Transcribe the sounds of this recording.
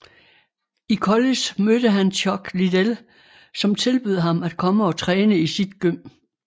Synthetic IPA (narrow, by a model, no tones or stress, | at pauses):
ikʰɒlismød̥əɦænɕʰɒɡ̥lid̥el | sɒ̽mt͡sʰe̝lb̥yð̞ˠɦɑ̈mæd̥̚kʰɒ̽məɒ̽t͡sʰʁɛːnəisid̥ɡ̥øm̰